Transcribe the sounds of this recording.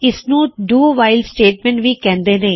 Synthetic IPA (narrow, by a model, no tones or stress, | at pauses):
ɪsnũːɖuːʋaːɪlsʈeːʈ̚mɛ̃ɳʈʋikɛ̃ːnd̪eːnẽː